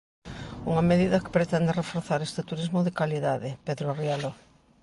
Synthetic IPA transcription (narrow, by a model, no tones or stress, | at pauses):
uŋɐmeðiðɐkɪ̥pɾet̪ɛnd̪ɪrefoɾθaɾest̪ɪt̪uɾizmoðɪkaliðaðɪpeðɾorjalo